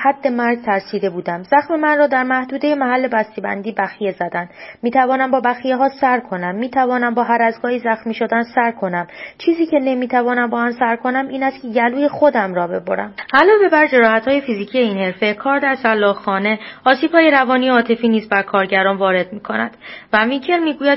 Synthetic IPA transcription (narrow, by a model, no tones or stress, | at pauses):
hæd̪̥ːe̞mæɾɡt̪ʰæɾsiːd̪e̞buːd̪æmzæxme̞mænrɒːd̪æɾmæhd̪uːd̪e̞jemæhælːe̞bæst̪ibæ̰nd̪iːbæxije̞zæd̪ænd̪miːt̪ʰævɒːnæmbɒːbæxije̞ɦɒːsæɾkʰo̞næmːiːt̪ʰævɒːnæmbɒːɦæɾæzɡɒːhizæxmiːʃo̞d̪ænsæɾkʰo̞næmt͡ʃʰiːziːcʰe̞ne̞miːt̪ʰævɒːnæmbɒːhæmsæɾkʰo̞næmiːnæst̪̚cʰe̞jæluːje̞xo̞d̪æmrɒːbe̞̰bo̰ɾæ̰mʔælɒːve̞bæɾd͡ʒe̞ɾɒːhæt̪hɒːje̞fiziːcʰijeiːnhe̞ɾfe̞kʰɒːɾd̪æɾsælːɒːhxɒːne̞ɒːsiːb̥hɒːje̞ɾævɒːnijeɒːt̪ʰe̞fiːniːzbæɾkʰɒːɾɟæɾɒːnvɒːɾe̞d̪̥̚miːkʰo̞næ̰nd̪̥vævicʰe̞ɾmiːɡuːjæd̪̚